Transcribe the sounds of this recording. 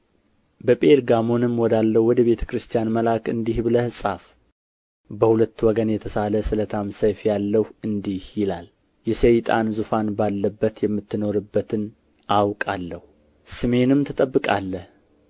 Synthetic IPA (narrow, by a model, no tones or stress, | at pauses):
bəpʼeɾɡamo̞nɨmːwɔd̪alːəwɔd̪əβe̞t̪ʰə̥kɾɨst̪ʰijanməlakɨnd̪ihbɨləhɨsʼaf | bəhulət̪ːwɔɡənjɛt̪ʰəsaləsɨlət̪ʰamsəjfjalːəhɨnd̪ihjɪlal | jɛsejt̪ʼanzufanbalːəbːət̪jɛmːɨt̪ːɨno̞ɾɨbːət̪ʰɨn | ʔawkʼalːəhu | sɨme̞nɨmt̪ʰɨt̪ʼəbːɨkʼa̰lːəh